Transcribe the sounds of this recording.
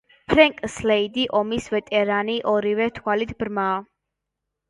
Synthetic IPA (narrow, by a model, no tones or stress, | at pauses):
pʰɾɛŋkʼslɛid̪iʔɔmisvɛt̪ʼɛɾaniʔɔɾivɛt̪ʰwalit̪ʰbɾmaː